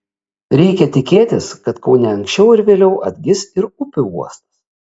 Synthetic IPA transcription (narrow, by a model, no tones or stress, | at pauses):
ɾʲɛɪkʲɛt̪ʲɪkʲeːt̪ʲɪskɐt̪kɐʊnʲɛɐŋʲksʲt͡ʃʲɛʊɪɾʋʲeːlʲɛʊʔɐd̪ʲɡʲɪsɪɾʊpʲɪuɔst̪ɐ̥s